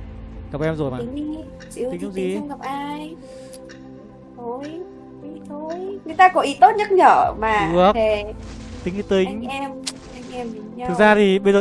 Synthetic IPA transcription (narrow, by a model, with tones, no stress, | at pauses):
ɣa˨˩p̚ʔɛ˧mzo˨˩jma̰ː˧˨˦ŋ˧ | i˧˦ï̟˨˦a˧˦zi˨˦˨ŋ͡ma˨˩p̚ʔaː˧j | t̪ʰo˨˧˩j | ʔi˧˩t̪ʰo˧˩jŋɨ˨˩əjt̪aː˧kɔ˧˩ʔi˧˦t̪o˦˥t̚ɲə˦˥t̚ɲəː˧˩˨maː˨˩ɨ˦˥əke˨˩t̪ï˨˦˨t̪ï˨˦ŋ̟˧ɛ˧m | ʔa˧jŋ̟ʔɛ˧mɗi˨˦˧k̚zaː˧t̪ʰi˨˩ɓə˧jzəː˨